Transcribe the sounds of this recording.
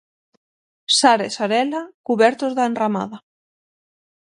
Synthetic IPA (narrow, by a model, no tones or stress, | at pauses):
saɾesaɾɛlakuβɛɾt̪ozðaenrama̰ða